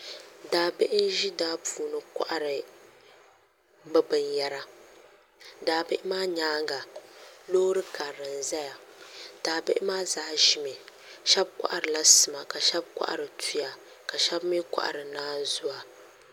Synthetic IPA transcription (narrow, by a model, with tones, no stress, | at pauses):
daː˦be˦ʔɪ˦n̩˦ʒi˦daː˦puː˨nɨ˨kʷa̰˦ʔa˦ɾɨ˨ | bɨ˦bɨ˨nja˦ɾa˦ | daː˨bɪ˦ʔɪ˦maː˦ɲaː˦ŋɡa˨loː˦ɾɨ˦ka˨ɾɨ˨n˨za˦ja˨ | d̥aː˨bɪ˦ʔɪ˦maː˦zaː˦ʒi˨me˨ | ʃɛ˦b̚kʷa̰˦ʔa˨ɾɨ˨la˦sɨ˨ma˨ka˨ʃɛ˦b̚kʷa̰˦ʔa̰˨ɾɨ˨tʰu˦ja˨ | ka˨ʃɛ˦bmi˦kʷa̰˦ʔa̰˨ɾɨ˨naː˦n˦zʊ˦a˨